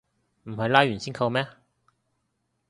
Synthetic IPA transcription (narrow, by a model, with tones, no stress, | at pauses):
m̩˨˩ɦɐ˨˧jlaː˥jɥy˨˩nsiː˥nkʰɐ˧wmɛː˥